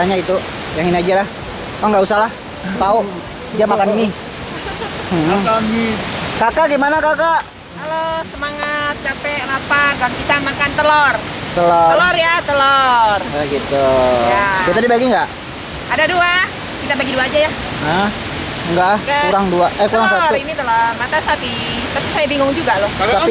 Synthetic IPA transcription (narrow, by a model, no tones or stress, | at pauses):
aɲait̪u | jaŋiniad͡ʒalah | maŋɡaʔusahlah | t̪au | d͡ʒamakanini | m̩haŋikakaɡimanakakaʔ | alosəmaŋat̪̚t͡ʃapɛlapanɡankisamakant̪əlɔr | t̪əlɔəlɔrjat̪əlɔrɡit̪uabiat̪adibaɡiŋɡaʔ | adadua | kit̪abaɡiduaːd͡ʒaja | əh | ŋɡaɡauɾaŋduaʔɛkuɾaŋsat̪init̪əlɔrmat̪asat̪i | t̪apisajabiŋɡʊŋd͡ʒuɡalot̪api